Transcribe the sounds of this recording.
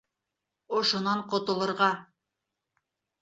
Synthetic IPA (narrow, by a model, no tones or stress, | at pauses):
ŏʃŏnɑɴqŏt̪ŏlˠɤ̆ɾʁɑ